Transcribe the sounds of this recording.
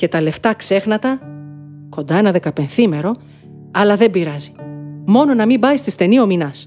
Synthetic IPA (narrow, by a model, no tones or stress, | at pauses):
ce̞t̪ɐle̞ft̪ɐkse̞xnɐt̪ɐ | ko̞nd̪ɐe̞nɐðe̞kɐpe̞nθime̞ɾo̞ | ɐlɐðe̞mbiɾɐzi̥mo̞no̞nɐmimbɐist̪ist̪e̞nio̞minɐs